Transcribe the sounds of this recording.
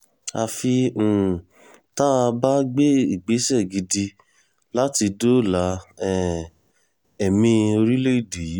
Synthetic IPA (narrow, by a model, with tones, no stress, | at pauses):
a˧fĩ˧˨ | ta˦a˧ba˦ɡ͡be˦i˦˨ɡ͡be˨˦sɛ˦˨ɡi˧di˧ | la˦ti˧do˦la˨˦ɛ˨ | ɛ˨mĩ˧o˧ɾi˦le˦i˦˨de˨ji˨˦